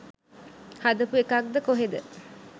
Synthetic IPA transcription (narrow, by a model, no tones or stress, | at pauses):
had̪əpuekak̚d̪əkoɦed̪ə